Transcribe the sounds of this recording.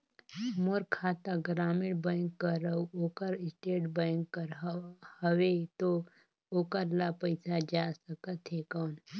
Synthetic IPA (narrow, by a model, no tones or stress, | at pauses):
moɾkʰaːt̪aɡɾaːmɪɽbə̃ɪŋkːəɾəuoːkəɾɪsʈeːʈbəŋkːəɾhəʋet̪o | oːkəɾlapəɪsad͡ʒasəkət̪ɦekɔːn